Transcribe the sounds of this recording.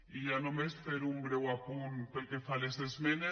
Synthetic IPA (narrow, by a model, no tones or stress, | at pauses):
iʝanomesfeɾuŋbɾewapunpelkefalesezmene